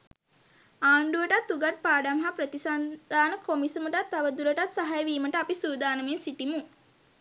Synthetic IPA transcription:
aːɳɖuʋəʈat̪ːuɡaʈ̚paːɖamɦapɾət̪isand̪aːnəkʰomisumuʈat̪ːaʋəd̪uləʈat̪saɦajəʋiːməʈəapisuːd̪aːnəmensiʈimu

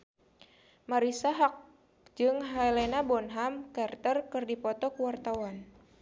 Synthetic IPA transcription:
maɾisaɦak̚ | d͡ʒɨŋɦalenabɔnɦamkart̪ərkɨrdipɔt̪ɔkəwart̪awan

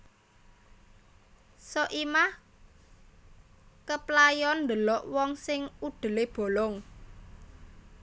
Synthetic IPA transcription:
sɔʔimah | kəplajɔnd̪əlɔʔwɔŋsɪŋuɖ̪̥ə̤leb̥o̤lɔŋ

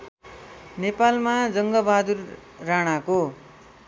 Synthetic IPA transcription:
nepalmad͡zʌŋɡʌbad̪urːaɽ̃ako

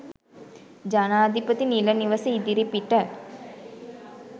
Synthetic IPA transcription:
d͡ʒanaːd̪ʱipət̪iniləniʋəsəid̪iɾipiʈə

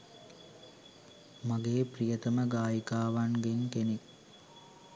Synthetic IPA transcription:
maɡeːprijət̪əməɡaːjikaːʋanɡeŋkenek

